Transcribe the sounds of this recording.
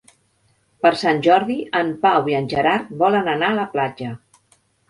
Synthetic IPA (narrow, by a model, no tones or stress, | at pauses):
pəɾsanʲʒɔɾðiʔəmpawiənʲʒəɾaɾt̪βɔlənənaələplad͡ʒə